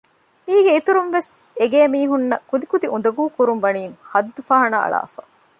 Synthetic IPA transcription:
miːɡeit̪uɾunʋeseɡeːmiːɦunːɐkud̪ikud̪iʔund̪ɐɡuːkuɾumʋɐniːŋhɐd̪ːufaːɦɐnɐʔɐ̰ɭa̰ːfɐ̰

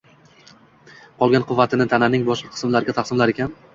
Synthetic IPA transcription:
qʰɒlˠɡʲanqʰʊvːat̪ʰɪnɪt̪ʰananɪŋbɒʃɨqʰɨ̥smlaɾɪɡʲat̪ʰaqsɪmlaɾekʲʰan

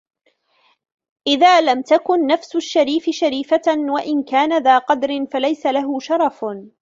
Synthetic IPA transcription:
ʔɪðaːlamt̪akʊnːafsʊʃːaɾiːfɪʃaɾiːfawaʔɪnkaːnaðaːqɑd̪ɾɪnfalajsalaɦʊʃɑɾˤɑf

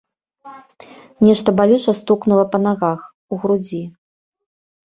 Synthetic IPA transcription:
nʲɛʂt̪ɐbalʲut͡ʂɐst̪uknulˠɐpɐnaɣax | uɣɾud͡zʲi

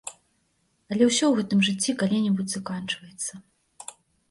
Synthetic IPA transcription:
ɐlʲɛwsʲɔwɣɛt̪ɨmʐɨt͡sʲːikalʲinʲɛbud͡zʲz̥akant͡ʂvɐjɛt̪sːɐ

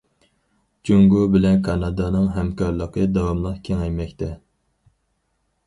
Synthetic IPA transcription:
t͡ʃʰyŋɡubɪlɛnkʰɑnɑd̪ɑnɨŋɦɛmkʰɑɾlˠəqʰəd̪ɑwɑmlˠəqkʲʰeŋɛjmɛkʲt̪ʰɛ

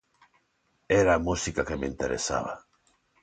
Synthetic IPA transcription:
ɛɾaːmusikakemeint̪eɾḛsa̰βa̰

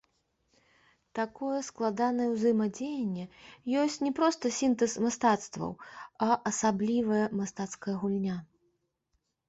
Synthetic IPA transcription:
t̪akɔjɛsklˠad̪anɐjɛwzɨmɐd͡zʲejɐnʲːɛjɔsʲt͡sʲnʲɛpɾɔst̪ɐsʲint̪ɛsmast̪at̪st̪vɐ̰wɐʔɐsablʲivɐjɐmast̪at̪skɐjɐɣulʲnʲa

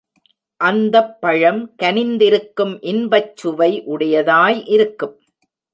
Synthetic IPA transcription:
ʔɐnd̪ɐpːɐɻɐmkɐnɪnd̪ɪɾɯkːɯmʔɪnbɐt͡ʃːɯʋɐɪʔʊɽɐjɐðaːjʔɪɾɯkːɯm

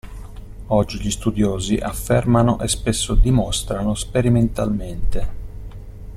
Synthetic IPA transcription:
ɔd͡ʒːiʎist̪ud̪joːziʔafːermanoʔespesːod̪imɔst̪ɾanospeɾiment̪a̰lment̪e

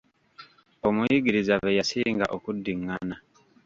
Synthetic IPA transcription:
omujiɡiɾizaβejasiːŋɡa̰ʔokudːiŋːana

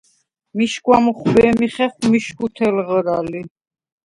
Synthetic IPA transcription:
miʃkʼwamuχbɛːmiχɛχwmiʃkʰut̪ʰɛlʁɾali

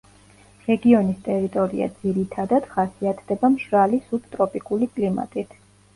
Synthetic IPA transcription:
ɾɛɡiɔnist̪ʼɛɾit̪ʼɔɾḭa̰d̪ziɾit̪ʰad̪ad̪̥χasiat̪ʰd̪ɛbamʃɾalisup̚t̪ʼɾɔpʼikʼulikʼlima̰t̪ʼit̪ʰ

